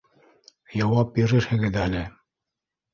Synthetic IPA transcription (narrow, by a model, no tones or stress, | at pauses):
jɑwɑp̚biɾɘ̆ʃhɘ̆ɡɘðælɘ